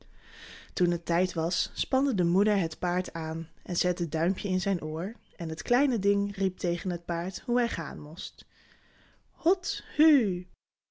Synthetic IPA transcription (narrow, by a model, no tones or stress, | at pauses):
tunətɛjtʋɑsːpɑndədəmudəɹɦətpaːɹtaːnʔɛnzɛtədœɥmpʰjəɪnzɛjnʔoːɹ | ʔɛnɦətklɛjnədɪŋrip̚tejχənɦət̚paːɹtɦuɦɛjχa̰ːnmʊst | hɔthy